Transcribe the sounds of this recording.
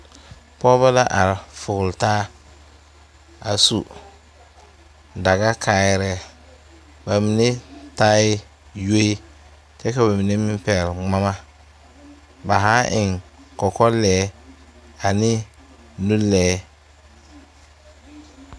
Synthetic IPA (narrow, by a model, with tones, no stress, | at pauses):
pɔ˦ba˦la˦ʔa˨ɾfʊ˨ɣʊ˨ltaː˦ | a˨sṵ˨ | da˨ɣa˦kʰaː˨˦ɪ˦ɾɛ˦ | ba˨mi˨ne˦ta˦ɪ˦ | jo˦i˦ | t͡ʃɛ˦ka˨ba˨mi˨ne˦mɪ˦m˦pɛ˨lŋ͡ma˦ma˦ | ba˨ɦa˦ʔɪ˨ŋkɔ˨kɔ˦lɛː˨˦ | a˨nɪ˦ | nu˦lɛː˨˦